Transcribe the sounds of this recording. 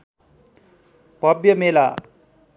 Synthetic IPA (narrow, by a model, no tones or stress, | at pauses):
pʌbjʌmela